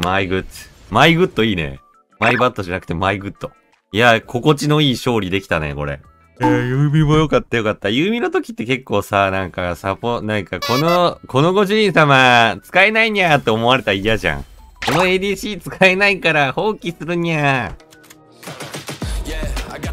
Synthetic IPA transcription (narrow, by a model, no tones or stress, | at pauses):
maiɡɯ̟tmaiɡɯ̟t̪ːo̞iːnḛ | maibat̪ːo̞ʑanakɯ̟̥t̪e̞maiɡɯ̟t̪ːo̞ | jakʰo̞ko̞t͡ɕino̞iːɕo̞ːɾʲid̪e̞kʲi̥t̪anḛko̞̰ɾe̞̰ | ejɯːmʲimojo̞kat̪ːajo̞kat̪ːajɯːmʲinot̪o̞kʲi̥t̪ːe̞ke̞kːo̞ːsanãŋkasapːonãŋkako̞noko̞no̞ɡo̞ʑiĩɰsamat͡sɨ̥kaenaiɲ̟iat̪ːe̞omo̞aɾe̞t̪aijaʑã̰ŋko̞no̞e̞ːd̪ʲiːɕiːt͡sɨ̥kaenaikaɾaho̞ːkʲisɨɾɯɲ̟ia